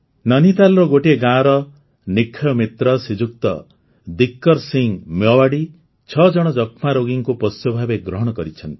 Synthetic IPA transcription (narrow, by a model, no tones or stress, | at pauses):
nɔnit̪alɔɾɔɡoʈieɡãɾɔ | nikʰːjɔmit̪ɾɔsid͡ʒuk̚t̪ɔ̰ | d̪ikːɔɾsiŋmjɔwaɽi | t͡ʃʰɔd͡ʒɔɽ̃ɔd͡ʒɔkʰmaɾoɡiŋkupɔsjɔbʱabeɡɾɔɦɔɽ̃ɔkɔɾit͡ʃʰɔnt̪i